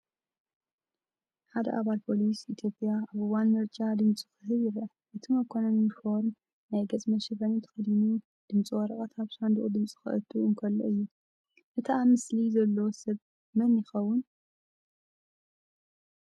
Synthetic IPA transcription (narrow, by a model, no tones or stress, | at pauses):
ħad̪ɐ̰ʔaβalpʰo̞lisit̪ʰjo̞pʼːjaaβɨwanmɨɾt͡ʃʼad̪ɨmt͡sʼi̥kɨɦɨβɨɾɐ | ʔɨt̪ʰimɐkʰːonomifo̞ɾm | najɡɐt͡sʼmɐʃɛfɐnit̪ʰɨ̥xɐd̪inu | d̪̥ɨmt͡sʼiwɔɾɐkʼɐt̪ʰaβsand̪uʔʼud̪ɨmt͡sʼi̥xɨ̰ʔɨ̰t̪ʰʼːuʔunkʰɐlːo̰ʔɨjːu | ʔɨt̪ʰʔamɨslizɐlːosɐβ | mɐnɪxɐwːʊn